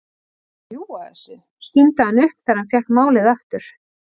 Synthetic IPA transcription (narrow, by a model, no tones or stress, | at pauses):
juaɛ̰sɪ | scint̪ahanʏhkθaɾhancɛhk̪maːwlɪðaft̪ʏɾ̥